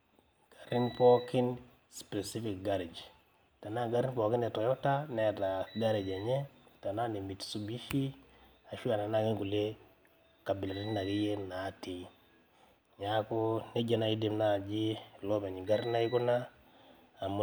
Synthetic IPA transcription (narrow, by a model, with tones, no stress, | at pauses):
ɡ̥a˨ɾi˦mpɔ˦ki˦n | spe˨si˦fi˨kɡa˦ɾe˨d͡ʒ | ta˨na˦ɡa˦ɾi˦mpɔ˨ki˦nɛ˨tɔ˨jɔ˦ta˦nɛ˨ta˨ɡa˦ɾe˨d͡ʒa˨ɲɛ˦ta˨na˦ne˨mi˨tsu˦bi˦ʃi˦ | a˨ʃu˦a˨na˨na˦˨ki˦ŋku˨le˦ | ka˨bi˨la˨ɾi˦tna˨ki˦je˦na˨˦ti˨ | ɲa˨ko˦ne˦d͡ʒa˨na˨i˦di˨mna˦˨d͡ʒi˦lo˦pe˨ɲi˨ɡa˦ɾna˦i˦ku˦naː˦˨ | m˦